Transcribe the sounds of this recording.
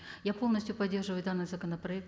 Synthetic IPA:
japolˠnəsʲtʲjʊpɐdʲːe̞rʐɨvəjʊd̪anːɨjzəkənəpɾɐɛk̚t̪

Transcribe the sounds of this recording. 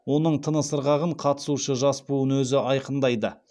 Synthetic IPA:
wo̞nəɴt̪ʰənəsəɾʁɑʁəɴqʰɑt̪ə̥suʃəʒɑspuənwɵzɪʔɑjqənd̪ɑjd̪ə

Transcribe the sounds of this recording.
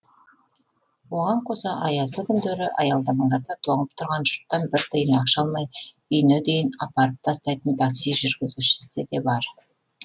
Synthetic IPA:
wo̞ʁɑɴqʰo̞sɑʔɑjɑzd̪əkʲʰʏnd̪eɾɪʔɑjɑlˠd̪ɑmɑɴd̪ɑɾd̪ɑt̪ʰo̞ɴəp̚t̪ʰʊɾʁɑnʒʊɾt̪ːɑnbɪɾt̪ʰəjənɑqʃɑlˠmɑj | ʏjnɪd̪e̞jɪnɑpɑɾəp̚t̪ʰɑst̪ɑjt̪ənt̪ʰaksijʒʏɾɡʲɪzuʃɪ̥sɪd̪e̞bɑɾ

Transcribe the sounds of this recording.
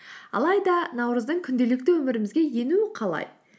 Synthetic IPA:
ɑ̰lˠɑjd̪ɑnɑwɾəzd̪əɴkʲʰʏnd̪e̞lɪk̚t̪ɪwɵmɪɾɪmɪzɡʲe̞je̞nuɪqʰɑlˠɑ̰j

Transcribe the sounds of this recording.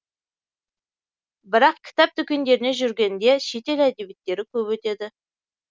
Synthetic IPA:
bɪɾɑqkʲʰɪ̥t̪ɑp̚t̪ʰʏkʲe̞nd̪e̞ɾɪne̞ʒʏɾɡʲe̞nd̪e̞ʃe̞t̪e̞læd̪e̞bet̪ːe̞ɾɪkʲʰɵpwɵt̪e̞d̪ɪ

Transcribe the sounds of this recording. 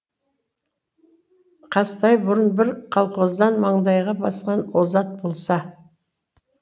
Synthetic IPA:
qʰɑst̪ɑjbʊɾənbɪɾqʰɑlˠqozd̪ɑnmɑɴd̪ɑjʁɑbɑsqɑnwozɑt̪̚bo̞lˠsɑ

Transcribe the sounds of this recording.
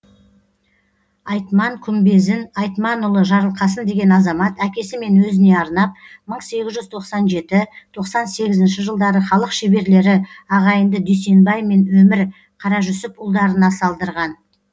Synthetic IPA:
ɑjt̪mɑŋkʲʰʏmbe̞zɪnɑjt̪mɑnʊlˠəʒɑɾəlˠqɑsənd̪e̞ɡʲe̞nɑzɑmɑt̪ækʲe̞sɪme̞nwɵzɪne̞ɑɾnɑp̚məɴse̞ɡʲɪzʒʏzt̪ʰo̞qsɑnʒe̞t̪ɪt̪ʰo̞qsɑnse̞ɡʲɪzɪnʃɪʒəlˠd̪ɑɾəχɑlˠəqʃebe̞ɾle̞ɾɪɑʁɑjənd̪əd̪yjse̞nbɑjme̞nwɵmɪɾ | qʰɑɾɑʒʏsɪpʊlˠd̪ɑɾənɑsɑlˠd̪əɾʁɑn

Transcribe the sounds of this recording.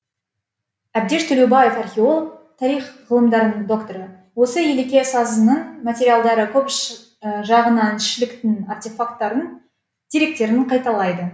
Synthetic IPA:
æb̚d̪e̞ʃt̪ʰʏlewbɑje̞fɑrχʲe̞o̞lˠok̚t̪ʰɑɾijχʁəlˠəmd̪ɑɾənəɴd̪o̞kt̪o̞ɾə | wo̞səjelekʲe̞sɑzənəɴmat̪ʲe̞ɾijalˠd̪ɑɾəkʲʰɵp | ʒɑʁənɑnɪʃɪlɪkt̪ɪnart̪ʲe̞fak̚t̪ːɑɾən | d̪̥iɾe̞k̚t̪e̞ɾɪɴqʰɑjt̪ɑlˠɑjd̪ə

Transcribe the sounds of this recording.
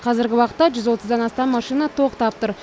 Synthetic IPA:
qʰɑzɪɾɡʲɪwɑqət̪ːɑʒʏzwo̞t̪əzd̪ɑnɑst̪ɑmːɑʃinɑt̪ʰo̞qt̪ɑp̚t̪ʊɾ

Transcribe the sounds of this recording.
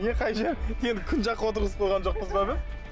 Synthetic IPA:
nʲeqʰɑjʒeɾje̞nd̪ɪkʲʰʏnʒɑqːəwo̞t̪əɾʁəsqʰolˠʁɑnʒo̞q̚pəzbɑb̪ɪ

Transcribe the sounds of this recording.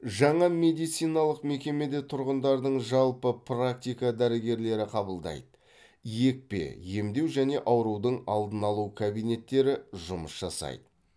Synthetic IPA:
ʒɑɴɑme̞d̪ijt̪sijnɑlˠəqme̞kʲe̞me̞d̪e̞t̪ʰʊɾʁənd̪ɑɾd̪əɴʒɑlˠpəpʰrakt̪ijkɑd̪æɾɪɡʲe̞ɾle̞ɾɪqʰɑbəlˠd̪ɑ̰jd̪ə | je̞k̚pe̞̰je̞md̪e̞wʒæne̞ʔɑwɾuwd̪əɴɑlˠd̪ənɑlˠukʰabijne̞t̪ːe̞ɾɪʒʊməsʒɑsɑ̰jd̪ə

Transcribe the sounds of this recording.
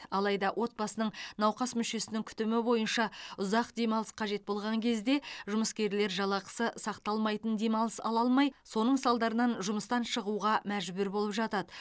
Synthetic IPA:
ɑlˠɑjd̪ɑwʔo̞t̪̚bɑsənəɴnɑwqɑsmʏʃe̞sɪnɪŋkʲʰʏ̥t̪ɪmɪbo̞jənʃɑʊzɑq̚d̪e̞mɑlˠəsqʰɑʒe̞t̪̚bo̞lˠʁɑŋkʲʰe̞zd̪e̞ʒʊməskʲe̞ɾle̞ɾʒɑlˠɑqə̥səsɑqt̪ɑlˠmɑjt̪ənd̪e̞mɑlˠəsɑlˠɑlˠmɑjso̞nəɴsɑlˠd̪ɑɾənɑnʒʊməst̪ɑnʃəʁuʁɑmæʒbʏɾbo̞lˠəpʒɑt̪ɑd̪ə

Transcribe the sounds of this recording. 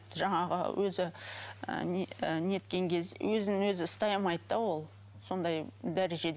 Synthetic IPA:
t̪ʒɑɴɑʁə̰wɵzɪə̰nəne̞t̪kʲe̞ŋkʲʰe̞lswʔɵzɪnɪŋwɵzɪst̪ɑjmɑjd̪d̪ɑwo̞lˠ | so̞nd̪ɑjd̪æɾeʒe̞d̪

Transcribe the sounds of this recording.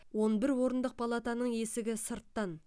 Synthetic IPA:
wo̞nbɪɾwo̞ɾənd̪əq̚pʰɑlˠɑt̪ɑnəɴe̞sɪɡʲɪsəɾt̪ːɑn

